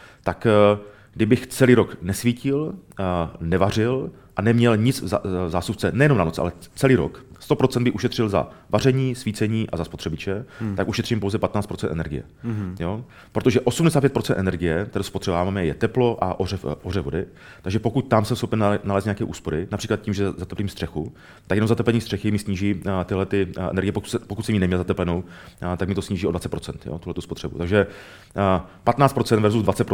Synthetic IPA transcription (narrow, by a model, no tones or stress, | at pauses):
t̪ak | ɡdɪbɪxt͡sɛliːɾo̞knɛsviːcɪl | nɛvarɪl | ʔanɛmɲɛlɲɪt͡szaːst̪upt͡sɛnɛjɛnomnanot͡sʔa̰lɛt͡sɛliːɾo̰kst̪o̞pɾo̞t͡sɛnd̪̚bɪxʔuʃɛt̪r̥ɪlza̰var̝ɛɲiːsviːt͡sɛɲiːʔa̰zaspot̪r̥ɛbɪt͡ʃɛt̪akuʃɛt̪r̥iːmpowzɛpat̪naːt͡st̪pɾot͡sɛnt̪ʔɛ̰nɛ̰ɾɡɪjɛ̰jo̞ | pɾot̪oʒɛʔo̞sumdɛs̬aːt̪pjɛt̪pɾot͡sɛnt̪ʔɛnɛɾɡɪjɛt̪ɛɾdospot̪r̝̥ɛbamamɛjɛt̪ɛplo̞ʔaʔorɛfʔorɛvo̞dɪ | t̪aɡʒɛpo̞kuc̚t̪amsɛmsxopɛnnalɛːst̪ɲakɛːʔuːspo̞ɾɪnapr̥iːklat̪ciːmʒɛzat̪ɛpliːmst̪r̥ɛxu | t̪akjɛnowzat̪ɛplɛnɲiːst̪r̥ɛxɪmɪsɲiːʒiːt̪ɪɦlɛt̪ɪɛ̰nɛɾɡɪjɛpoku̥spokut̚sɛmiːnɛmɲɛlzat̪ɛplɛnowt̪akmɪt̪osɲiːʒiːʔo̞dvat͡sɛt̪̚pɾo̞t͡sɛnt̪jo̰t̪uhlɛt̪uspot̪r̥ɛbṵt̪aɡʒɛ | pat̪naːtt͡st̪pɾt͡sɛnd̪vɛɾzuzd̪vat͡sɛt̪pɾo